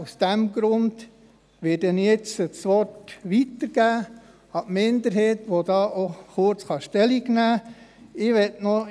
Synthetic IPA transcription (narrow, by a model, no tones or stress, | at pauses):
usd̥æmɡ̥ɾʊnd̪̥ | ʋɪtɛnjɛt͡sət͡sʋɔtʋit̪əɾɡ̥æː | ɑtmɪnd̪əɾɦeːtʋod̥̪ɑːʔoχʊɾt͡sχɑʃtɛliɡnæː | ɪʋɛtno